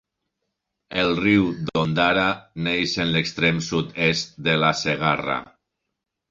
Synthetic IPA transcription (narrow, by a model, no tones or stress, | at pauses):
elˠriwd̪ond̪aɾanejʃenlekst̪ɾemsut̪est̪̚d̪elaseɣara̰